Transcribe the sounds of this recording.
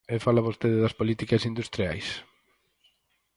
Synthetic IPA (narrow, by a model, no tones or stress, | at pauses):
efalɐβost̪eðɪðɐspolit̪ikɐsind̪ust̪ɾia̰js